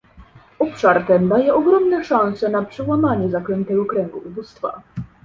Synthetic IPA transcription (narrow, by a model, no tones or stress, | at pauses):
ɔpʂaɾt̪ɛnd̪ajɛʔɔɡɾɔmnɛʂañsɛnapʂɛwamaɲɛzakɾɛnt̪ɛɡɔkɾɛŋɡuʔubust̪fa̰